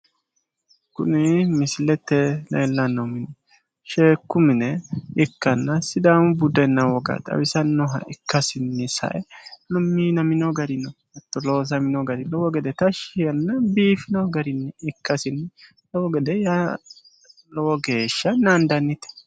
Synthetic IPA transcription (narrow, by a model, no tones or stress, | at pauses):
kʊ̰nɪmɪsɪlɛt̪ːɛlɛ̰jlːɐnːɔmɪnɛ | ʃeːkːʊmɪnɛɪkːɐnːɐsɪd̪aːmʊbʊd̪ɛnːɐwɔɡɐ̰t̪ʼɐ̰wɪsɐnːɔɦɐ̰ʔɪkːɐsɪnːɪsɐ̰ʔɛnɔmːiːnɐmɪnɔɡɐɾɪnɔ | ɛt̪ːɔlo̞ːs̬ɐmɪnɔɡɐɾɪlɔwɔɡɛd̪ɛt̪ɐʃɪjɐnːɐbiːfɪnɐɡɐɾɪnːɛɪkːɐsɪnːɪ | lɔwɔɡɛd̪ɛja | lɔwɔɡe̞ːʃːɐnɐnd̪ɐnːɪt̪ɛ̥